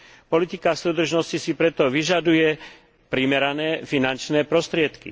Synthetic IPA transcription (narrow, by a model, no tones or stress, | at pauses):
pɔlit̪ikasuːd̪r̩ʒnɔscisipɾɛt̪ɔʋiʒad̪ujɛ | pɾimɛɾanɛːfinant͡ʃnɛːpɾɔst̪ɾɪɛt̪kḭ